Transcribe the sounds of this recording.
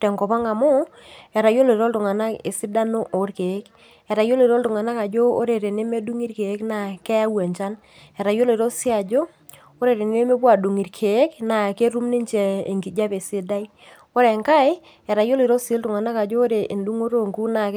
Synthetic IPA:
tɛ˨ŋkɔ˨pa˦ŋa˨mʊ˦ɛ˨ɾa˨jo˦le˨ɾo˦ltʊ˨ŋa˨na˦kḛ˨sɪ˦da˦no˦ʔo˨˦ɾke˨˦k | ɛ˨ɾa˨jo˦le˨ɾo˦ltʊ˨ŋa˨na˦ka˨d͡ʒo˦o̰˦ɾe˨ɾe˨ne˦me˦du˦ŋi˦ɾke˨˦kna˨kɛ˦a˦wɛ˨ɲt͡ʃa˦n | ɛ˨ɾa˨jo˦le˨ɾo˦sɪ˦a˨d͡ʒo˦ | o˦ɾe˨ɾe˨n˦e˦me˦p̬wa˨du˨ŋi˨ɾkʰe˨˦kna˨ke˦ɾu˦mni˦ɲt͡ʃɛ˨e˨ŋɡi˨d͡ʒa˦pe˨si˦da˦i˦ | o˦ɾe˨ŋka˦ɪ˦ | ɛ˨ɾa˨jo˦le˨ɾo˦si˦ltʊ˨ŋa˨na˦ka˨d͡ʒo˦ɾe˨ʔe˨ndu˦ŋo˦ɾo˦˨ŋku˦na˨k

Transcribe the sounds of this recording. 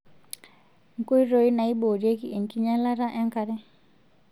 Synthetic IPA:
ŋ̩˨ko˦i˦ɾo˦i˦na˨i˦bo˨ɾje˦ki˦ʔe˨ŋ˨ki˦ɲa˦la˦ɾa˦ʔɛ˦ŋ˦ka˨ɾɛ˦

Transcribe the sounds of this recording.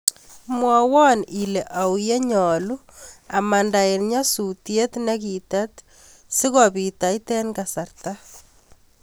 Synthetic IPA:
mwɔwɔ˦nile˨ʔa˨wje˦ɲɔ˨lu˦ | a˨ma˨nda˨e˨nɲa˦sutje˦t̪nɛ˦kitat̪ | si˦ɣɔbita˨itɛ˦nɡasarta

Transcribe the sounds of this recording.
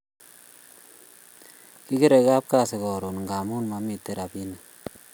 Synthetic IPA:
ki˦ke˦ɾe˨ka˦p̚ka˦˨se˨kɔ˨ɾo˨nŋɡa˨mu˦nma˦mi˨tːe˦ɾa˨bi˦na˨

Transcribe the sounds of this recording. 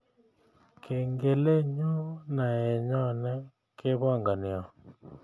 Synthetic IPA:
kʰe˨ŋɡe˨le˦ɲo˦na˨ɛ˨ɲɔ˦nɛ˦ | kɪ˦βa˦ŋɡa˨nɪ˨ɔ˨

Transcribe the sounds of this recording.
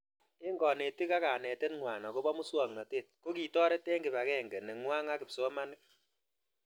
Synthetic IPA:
ɪ˦ŋɡɔ˨ne˨ti˦ka˦ka˨nɛ˨tɛ˦tŋwaː˨na˨ko˦bɔ˦mu˦swɔ˨ŋnɔ˨teː˦˨t̚ko˦ki˨tɔː˦ɾɛ˦tɛ˦ŋɡɪ˨ba˨kɛː˦ŋɡɛ˨nɛ˨ŋwa˦ŋa˦kɪ˨pso˦ma˦nɪ˦k̚

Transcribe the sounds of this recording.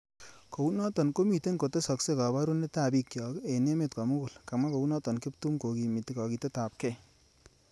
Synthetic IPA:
ko˨wnɔ˦t̪ɔ˨nko˦mi˨t̪e˦nko˨t̪e˦sɔ˧kse˦ka˨ba˦ɾu˦ne˦t̪a˨bi˦kjɔke˨ne˦met̪̚ka˨mu˦kʊ˨lka˨ma˦ko˨wnɔ˦t̪ɔ˨nkɪ˦p̚t̪u˦mko˨ki˨mi˨t̪i˦kɑ˨ki˧t̪e˦t̪a˨p̚ke

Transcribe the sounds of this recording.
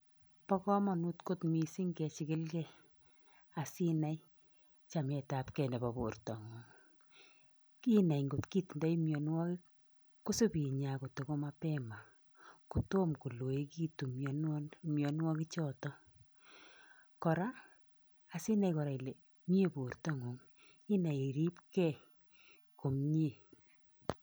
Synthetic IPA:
pɔ˦kɔ˦ma˨nu˦tko˦tmi˨si˦ŋkɛ˨t͡ʃɪkɪ˦lkɛ | a˨si˦na˦j | t͡ʃa˨mɛ˨tapkɛ˨ndɛ˨ba˨bo˨rtɔ˨ŋɔ˨ŋ | ki˦na˨jŋɡo˨tki˦tnda˦jmjɔ˨nwɔ˦kɪ˦ | kːo˦su˦pi˨ɲa˨ko˨to˨ko˦ma˦pɛma˨ | ku˨to˦mku˨lo˨e˦ki˦tu˨mɔ˨n˦nmjɔ˨nwɔ˦ki˦t͡ʃɔ˦tɔ˦ | kɔ˨ɾaː˦˨ | si˦na˦ikɔ˨ɾa˨i˨le˨ | m˦e˦bo˨rtɔ˨ŋo˨ŋ | i˦na˨i˨ɾi˦pkɛ˦ | ko˨mɲe˦

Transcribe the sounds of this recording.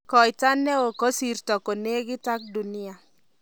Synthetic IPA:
kɔ˨jta˦nɛ˦o˨ko˦si˨rtɔ˨ko˨ne˦ɡɪ˦ta˦k̚du˨ni˦a˨

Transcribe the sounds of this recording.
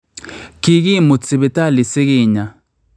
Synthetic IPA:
ki˦˨ki˦mʊ˨t͡sɪ˨be˨ta˦˨lɪ˨sɪ˦ki˦˨ɲa˨

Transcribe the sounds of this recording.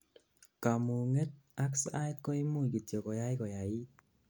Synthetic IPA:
ka˨mu˨ŋe˦t̚a˦ksa˦jko˦i˦mu˦˨ki˨tjɔ˨kɔ˨ja˦jkɔ˨ja˨i˦

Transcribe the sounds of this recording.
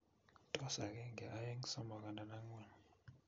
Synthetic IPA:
tʼɔ˦sa˨k̬ʼɛ˦ŋɛ˨ʔa˦je˦ŋ˦sɔ˦ma˨k̬a˨na˨na˦ŋ˦wa˨ni

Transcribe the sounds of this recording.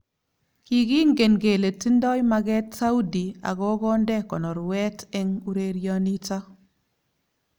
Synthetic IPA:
ki˨ɡi˦ŋɡe˨nɡe˨le˨ti˦ndɔ˦jma˦ɡɛ˦tsa˦u˦di˨a̰˨ɡɔ˦ɡɔ˦ndɛ˦kɔ˨nɔ˨ɾwɛ˦tɛ˦ŋu˦ɾe˦ɾja˦ni˦ta˦

